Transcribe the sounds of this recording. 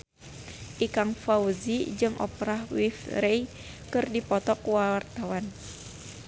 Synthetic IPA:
ʔikaŋfauzid͡ʒɨŋʔɔ̰pɾahwifɾɛj | kɨrdipɔt̪ɔkuwaart̪awan

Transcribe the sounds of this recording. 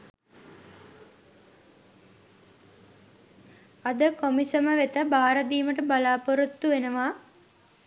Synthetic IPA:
ɐd̪əkomisəməʋet̪əbaːɾəd̪iːməʈəbalaːpoɾut̪ːuʋenəʋaː

